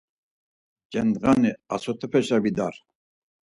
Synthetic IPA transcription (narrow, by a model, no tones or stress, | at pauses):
d͡ʒɛnd̪ɣaniasɔt̪ʰɛpʰɛʃabid̪aɾ